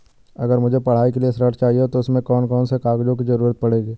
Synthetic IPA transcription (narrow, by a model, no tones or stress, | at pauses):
ɐɡəɾmʊd͡ʒʱepɐɽ̤aːikeliesɾəʈt͡ʃaːɦiet̪oʊsmẽkɔːnkɔːnsekaːɡd͡ʒõk̬izɐɾuːɾət̪̚pɐɽeːɡiː